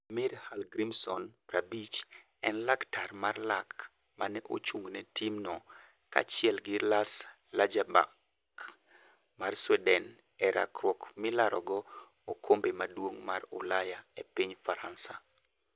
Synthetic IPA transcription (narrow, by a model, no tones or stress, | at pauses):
miɾhalɡɾimsɔnɾabit͡ʃ | ɛnlaktarmarlak | manɛʔo̰t͡ʃuŋnɛtimnɔ | ka̰t͡ʃɪɛlɡɪlas | lad͡ʒaba̰ | k | marswɛdɛn | ɛɾʔa̰kɾwɔkmɪlaɾɔɡɔ | okʰombemadwoŋmarʊ̰lajaepiɲfaɾansa